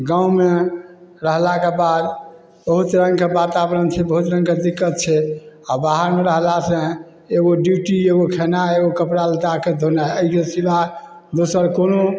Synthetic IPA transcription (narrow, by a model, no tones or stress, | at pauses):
ɡãũmeɾəɦlakebad̪ | bəɦut̪ɾə̃ŋɡkebat̪abɾənt͡ʃʰɛbəɦut̪ɾə̃ŋɡked̪ikːət̪̚t͡ʃʰɛabaɦəɾmeɾəɦlasə̃ | eɡoɖjuʈieɡokʰenaeɡokəpɾalt̪aked̪ʱonaəikesiba | d̪osəɾkono